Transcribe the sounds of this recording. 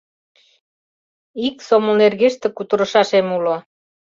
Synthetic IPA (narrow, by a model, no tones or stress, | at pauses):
iksomonerɣeʃt̪ĕkut̪ə̆ɾə̆ʃɑʃemulo